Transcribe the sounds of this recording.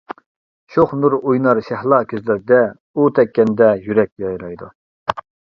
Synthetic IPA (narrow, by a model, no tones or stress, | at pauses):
ʃoχnuɾujnɑɾʃæhlˠɑkʲʰøzlɪɾd̪ɛ | ut̪ʰɛkʲːɛnd̪ɛjyɾɛkʲjɑjɾɑjd̪u